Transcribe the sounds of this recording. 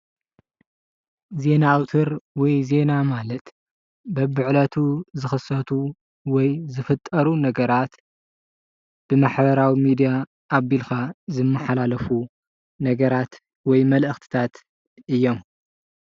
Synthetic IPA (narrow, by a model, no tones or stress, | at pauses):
ze̞naːwt̪ʰɨɾwɔjze̞namalɐt̪ | bɐbɨʕlɐt̪ʰuzɨxɨsɐt̪ʰu | wɔjzɨfɨt̪ʼːɐɾunɐɡɐɾat̪ | b̥ɨmaħbɐɾawimid̪ija | ʔːβːilkazɨmːɐħalalɐfu | nɐɡɐɾat̪ | wɔjmɐlʔɨxt̪ʰi̥t̪ʰat̪ | ʔɨjːom